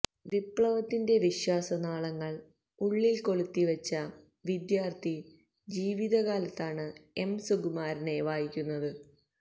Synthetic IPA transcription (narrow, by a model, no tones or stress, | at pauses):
ʋipɭɐʋɐt̪ːinde̞ʋiɕwaːsɐnaːɭɐŋːɐɭ | uɭːilko̞ɭut̪ːiʋɐt͡ɕːɐ | ʋid̪jaːrt̪ʰi | d͡ʑiːʋiðɐɣaːlɐt̪ːaːɳɨe̞msuɡumaːɾɐne̞ʋaːjikʲːunːɐðɨ